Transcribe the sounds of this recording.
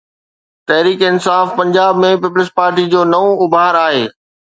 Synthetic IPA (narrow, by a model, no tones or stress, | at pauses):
t̪ɐɦɾiːkɪnsaːfpɐ̃ɲd͡ʑaːbmẽpɪplɪspaːɾʈid͡ʑoːnɐʋõʊbʱaːɾaːɦeː